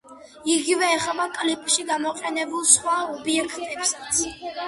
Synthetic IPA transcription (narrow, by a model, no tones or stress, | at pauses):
iɡivɛːχɛbakʼlipʼʃiɡamɔqʼɛnɛbulˠsχwaɔbiɛkʰt̪ʼɛpsḁt̪sʰ